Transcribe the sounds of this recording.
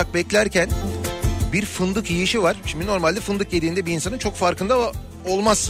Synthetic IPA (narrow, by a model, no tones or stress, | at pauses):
ak̚bɛclʲæɾcʰæn | biɾfɯnd̪ɯkjijiʃivaɾ̥ʃimd̪ino̞ɾmalʲd̪ɛfɯnd̪ɯk̚j̪ed̪iːnd̪ɛbiiːnsanɯnt͡ʃʰo̞kfaɾkʰɯnd̪a | o̞lˠmaz̥